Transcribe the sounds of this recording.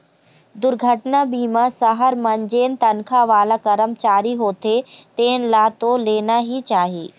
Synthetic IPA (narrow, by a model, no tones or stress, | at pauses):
d̪ʊɾɡʱəʈnabiːmãsɐɦəɾmɐ̃ɲd͡ʒeːnt̪ɐnkʰaʋaːlakɐɾəmt͡ʃaːɾiɦoːt̪et̪eːnlaːt̪oleːnaɦit͡ʃaːɦiː